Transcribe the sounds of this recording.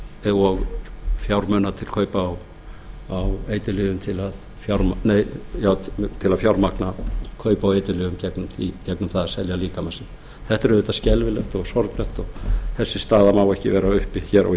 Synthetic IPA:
ɛðaɣfjawɾmœnat̪ʰɪlkʰœːɥpaːw | aweːjt̪ɪlʏɣʏmt̪ʰɪlað | fjawɾmaneːjjaːwt̪ʰɪlaðfjawɾmaknakʰœːɥpaːwejt̪ɪlʏɣʏmcɛknʏmicɛknʏmθaðasɛljaliːkamasɪn | θɛht̪ɛɾʏðʏːt̪ḁscɛlvɪlœht̪ɔɣsɔɾt̪lœht̪ɔɣθɛsːɪst̪aːðamawɛhcɪvɛːɾaʏhpɪçɛɾa̰

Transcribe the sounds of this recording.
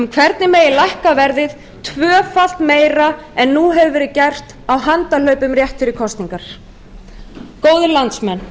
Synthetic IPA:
ʏmkʰvɛɾt̪nɪmejɪlajhkavɛɾðɪð | t̪ʰvœːfal̥t̪meːjɾaɛnːuɦɛvʏvɛːɾɪðcajr̥t̪ | awɦant̪al̥œɥpʏmrjɛht̪fɪɾɪkʰɔst̪niŋkaɾ̥ | koːwðʏlant̪smɛnː

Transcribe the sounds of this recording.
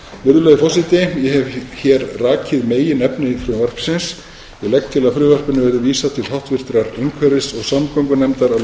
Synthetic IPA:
mʏɾðʏlœðfɔsɪt̪ɪjɛɦɛvçɛːɾraːcʰɪðmeːjɪnɛpnɪfɾʏvar̥psɪns | jɛɣlɛk̚t̪ʰɪlaðfɾʏːvar̥pʏnʏvɛɾðʏviːsat̪ʰɪlhawht̪vɪɾ̥t̪ɾaɾiŋkʰvœɾɪsɔɣsamkɔwŋkʏnɛmt̪aɾa

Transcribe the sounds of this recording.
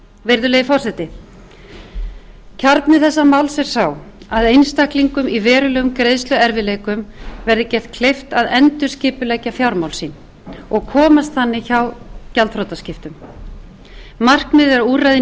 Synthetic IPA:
vejɾðʏleːjðɪfɔrsɛt̪ɪ | cʰaɾt̪nɪθɛsːamawlsɛɾ̥saw | aðejnst̪ahkliŋkʏmivɛːɾʏlɛːɣʏmkɾejðst̪ʏɛɾvɪleːjkʏmvɛɾðɪcɛht̪̚kʰlejft̪aðɛnt̪ʏ̥scɪːpʏlɛjcafjawɾmawlsiːn | ɔɣkʰɔːmast̪θanːɪçawcalt̪fɾowt̪ascɪft̪ʏm | mar̥kmɪðɛɾuːrajðɪ

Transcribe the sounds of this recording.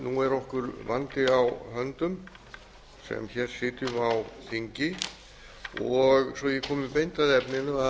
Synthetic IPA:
nuɛɾɔhkʏɾvant̪ɪawɦœnt̪ʏm | sɛ̰mçɛːɾ̥sɪːt̪ʏmawθiɲcɪ | ɔɣsɔjɛkʰɔːmʏpejnt̪aðɛpnɪnʏa

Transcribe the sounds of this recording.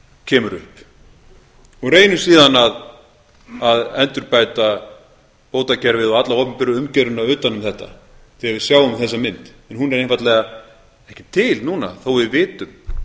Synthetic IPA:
cʰɛːmʏɾʏhp | ɔɣreːjnʏsiːðanað | aðɛnt̪ʏɾpajt̪a | poːwt̪acɛɾvɪðɔat̪laɔːpɪmpɪɾʏʏmcɛɾʏnaʏːt̪anʏmθɛht̪a̰ | θɪavɪsjaːwʏmθɛsːamɪnt̪ɛnɦunɛɾejnfat̪lɛɣa | ɛhcɪt̪ʰɪlnuna̰θowvɪðvɪːt̪ʏm

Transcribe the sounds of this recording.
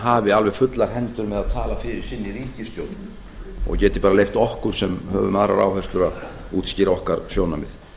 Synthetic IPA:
ɦaːvɪalvɛ̥fʏt̪laɾ̥ɦɛnt̪ʏɾmɛðaðt̪ʰaːlafɪɾɪɾ̥sɪnːiɾiːcɪst̪joːwt̪n | ɔ̰cɛːt̪ɪ̥paːɾalejft̪ɔhkʏɾ̥sɛmhœ̰ːvʏ̰maðɾa̰ɾa̰ːwfɛst̪ʏɾað | uːt̪sciːɾaɔhkaɾsjoːwnamɪ̰θ

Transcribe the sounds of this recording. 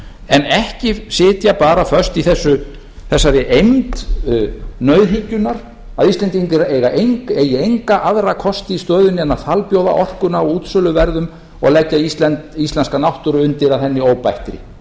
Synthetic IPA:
ɛnɛhcɪsɪːt̪japaːɾafœɾ̥st̪iθɛsːʏ | θɛsːaɾɪʔejmt̪ | nœːɥðɦicːʏnaɾ̥ | aðist̪lɛnt̪̬int̪ɪɾejɣaʔejŋkɛjɪejŋkaʔaðɾakʰɔst̪ɪist̪œːðʏnːɪɛnːaɾθʰalpjoːwða̰ʔɔr̥kʏnaɔuːt̪sœːlʏvɛɾðʏm | ɔ̰ɣlɛcːaist̪lɛnt̪ist̪lɛnskanawht̪ʏɾʏʏnt̪ɪɾaðθɛnːɪoːwpajht̪ɾɪ̰

